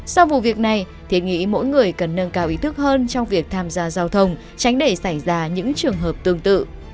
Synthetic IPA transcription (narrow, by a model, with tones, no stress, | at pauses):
sa˧wvṵ˧˨vi˨˩ək̚na˨˩j | t̪ʰi˨˩ət̚ŋḭ˧˥mo̰˧˥jŋɨ˨˩əjkə˨˩nːə˧nkaː˧wʔi˨˦t̪ʰɨ˦˥k̚həː˧nt͡ɕɔ˧wŋ͡mvi˨˩ək̚t̪ʰaː˧mzaː˧zaː˧wt̪ʰə˧wŋ͡m | t͡ɕa˨˦jŋ̟ɗe˧˩sa˧˩jzaː˧ɲɨ̰˧˥ŋt͡ɕɨ˨˩əŋɦəː˨˩p̚t̪ɨ˧əŋt̪ɨ̰˧˨